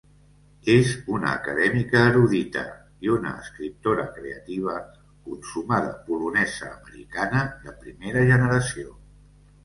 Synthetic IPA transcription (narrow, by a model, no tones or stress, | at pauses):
ezunə̰ːkəðɛmikəːɾuðit̪ə̰ | iunə̰əskɾip̚t̪oɾə̰kɾḛət̪iβ̞ə | kunsumaðə̰pulunɛzə̰ːməɾḭkanəðəpɾimeɾəʒənəɾəsio